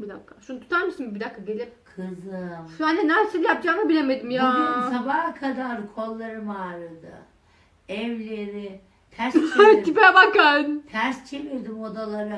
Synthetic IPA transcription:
bid̪akʰːaʃunt̪ʰu̥t̪aɾmisimibid̪akʰːaɟe̞lʲipkʰɯzɯʃanɛnæɾseilʲæp̚d͡ʒanabilʲemed̪imjaːisabahkʰad̪aɾkʰolˠːaɾɯmaːɾɯd̪ɯ̰ | ɛvlʲeɾi | t̪ʰæɾst̪ʰipɛbakant̪ʰæɾst͡ʃʰeviɾd̪imod̪alˠaɾɯ

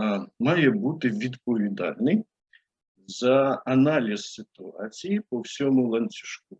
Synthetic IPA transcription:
mɑjɛbut̪ɪʋʲid̪pɔʋʲid̪ɑ̰lʲnɪj | zɐɐnɑlʲisːɪt̪ʊɑ̰t͡sʲijipɔwsʲɔmʊlˠɐnʲt͡sʲu̥ʃk̚u

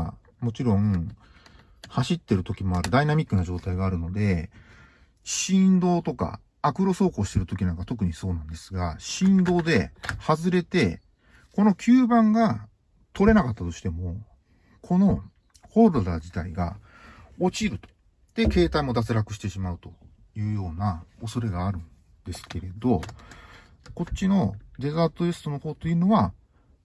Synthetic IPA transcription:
mo̞t͡ɕiɾõ̞ŋ | haɕit̪ːe̞ɾɯ̟t̪o̞kʲimo̞aɾɯ̟d̪ainamʲikːɯ̟naʑo̞ːt̪aiɡaːɾɯ̟no̞d̪e̞ | ɕĩnd̪o̞ːt̪o̞ka̰ | akɯ̟ɾo̞so̞ːko̞ːɕi̥t̪e̞ɾɯ̟t̪o̞kʲinãŋkat̪o̞k̬ɯ̟ɲ̟iso̞ːnãnd̪e̞sɨɡaɕĩnd̪o̞ːd̪e̞hazɨɾe̞t̪e̞ | ko̞no̞kʲʰɨːbãŋɡa | t̪ʰo̞ɾe̞nakat̪ːat̪o̞ɕi̥t̪e̞mo̞ | kʰo̞no̞ | ho̞ɾɯd̪a̰d͡ʑit̪a̰ḭɡa̰ | o̞t͡ɕiɾɯ̟t̪o̥ | d̪̥e̞ke̞ːt̪aimo̞d̪at͡sɨɾakɯ̟̥ɕi̥t̪e̞ɕimaɯ̟t̪o̞ | jɯ̟ːjo̞ːnao̞so̞ɾe̞ɡaːɾɯ̟̃n | d̪̥e̞sɨ̥ke̞ɾe̞d̪o̞ | ko̞t͡ɕːino̞d̪e̞zat̪ːoesɨ̥t̪ono̞ho̞ːt̪ːo̞jiɯːno̞βa

